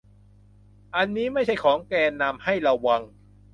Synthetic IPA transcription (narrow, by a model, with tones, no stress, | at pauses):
ʔa˧nːiː˦˥ma˥˩jt͡ɕʰa˥˩jkʰɔː˩˦ŋkɛː˧nːa˧mha˥˩jɾa˧wːa˧ŋ